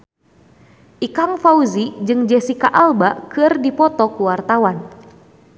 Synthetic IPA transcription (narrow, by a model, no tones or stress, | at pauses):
ʔikaŋfauzid͡ʒɨŋd͡ʒɛsikaʔalbakɨrdipɔt̪ɔkuwart̪awan